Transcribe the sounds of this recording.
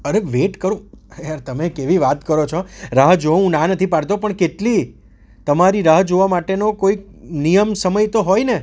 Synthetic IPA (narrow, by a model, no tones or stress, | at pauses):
əɾeʋeʈkəɾũaɾt̪əmekeʋiʋat̪kəɾot͡ʃʰoɾəɦd͡ʒoʋũnãnət̪ʰipaɾt̪opəɳkeʈli | t̪əmaɾiɾəɦd͡ʒoʋamaʈenokoik | nijəmsəməjt̪oɦojne